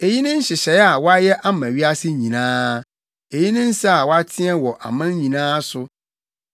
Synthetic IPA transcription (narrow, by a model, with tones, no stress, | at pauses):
e˨ji˦nʊ̃˦n̩˦ɕɪ˨ɕɛ˨˦a˨wɔ˦a˦jɛ˦ʔa˦mã˨ɥi˦a˦sɪ˦ɲĩ˨nãː˦ | e˨ji˦nɪ̃˦n̩˦sa˦a˨wɔ˦a˦tʰɪ˦ɛ˦wɔ˨ʔa̰˨mã˦n˦ɲĩ˨nãː˦sʊ˦